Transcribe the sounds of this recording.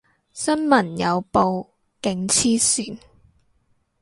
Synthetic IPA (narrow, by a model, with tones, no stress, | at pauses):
sɐ˥nmɐ˨˩njɐ˨˧wpo˨˧w | kɪ˨˧ŋt͡sʰiː˥syː˨˩n